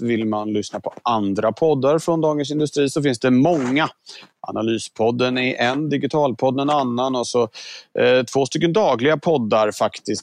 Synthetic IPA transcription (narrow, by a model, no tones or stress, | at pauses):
vɪlmanlʏsnapʰɔʔand̪ɾapʰɔd̪ːaɾfɾɔnd̪ɑːɡəns̬ɪnd̪ɵst̪ɾiːsɔfɪnsd̪ɛmɔŋːaʔa̰nalyːspʰɔd̪ːənɛʔɛnd̪ɪɡɪt̪ʰɑːlpʰɔd̪ːɛnanːanɔsɔ | t̪ʰvoːst̪ʏkːənd̪ɑːɡlɪɡapʰɔd̪ːaɾfakt̪ɪs